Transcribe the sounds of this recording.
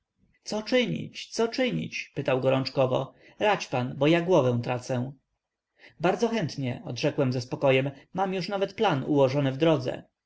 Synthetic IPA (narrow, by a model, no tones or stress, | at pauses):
t̪sɔt͡ʂɘɲḭt͡ɕt̪sɔt͡ʂɘɲḭt͡ɕpɘt̪awɡɔɾɔnt͡ʂkɔvɔ̰ | ɾat͡ɕpanbɔjaɡwɔvɛ̃w̃t̪ɾat̪sɛ̃ | baɾd̪zɔxɛnt̪ɲɛɔ̰d̪ʐɛkwɛmzɛspɔkɔjɛmːamjuʂnavɛt̪planuwɔʐɔnɘvd̪ɾɔd̪zɛ̰